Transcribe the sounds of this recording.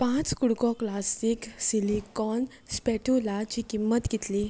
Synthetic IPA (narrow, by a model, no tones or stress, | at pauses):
pãt͡skuɽkɔklasiksilikɔn | spɛʈulad͡ʑikimːət̪ɡit̪li